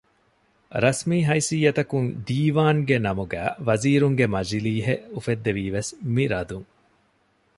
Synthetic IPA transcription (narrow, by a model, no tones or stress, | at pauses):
ɾɐsmiːɦɐisijːɐt̪ɐkuŋd̪iːʋaːŋɡenɐmuɡæ̰ːʋɐziːɾuŋɡemɐd͡ʒiliːɦeʔufed̪ːeʋiːʋesmiɾɐd̪uŋ